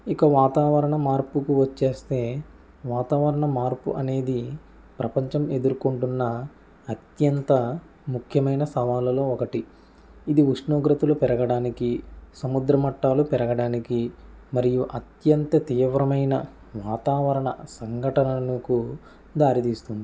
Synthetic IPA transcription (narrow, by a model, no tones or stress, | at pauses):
ikɐʋaːt̪aːʋɐɾɐɳɐmaːɾpukuʋɐt͡ʃːe̞ːst̪e̞ː | ʋaːt̪aːʋɐɾɐɳɐmaːɾpṵʔɐne̞ːd̪i | pɾɐpɐɲt͡ʃɐme̞d̪uɾukuɳʈunːɐː | t̪jɐnt̪ɐ | mukʰjɐmɐjnɐsɐʋaːlɐlo̞ːɔkɐʈi | id̪iuʂɳoːɡɾɐt̪ulupɛɾɐɡɐɽaːnikisɐmud̪ɾɐmɐʈːaːlupɛɾɐɡɐɽaːnikimɐɾijuʔɐt̪jɐnt̪ɐt̪iːʋɾɐmɐjnɐ | ʋaːt̪aːʋɐɾɐɳɐ̰sɐŋɡʱɐʈɐnɐnuku | d̪aːɾit̪iːst̪und̪i